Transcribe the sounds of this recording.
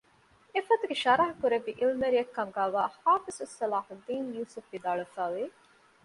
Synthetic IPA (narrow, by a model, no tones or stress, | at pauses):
efɐt̪uɡeʃɐɾɐɦɐkuɾeʋːiʔilmeɾijɐkːɐmɡæːʋaːhaːfisusːɐlaːħud̪ːiːnjuːsufʋid̪aːɭufæːʋi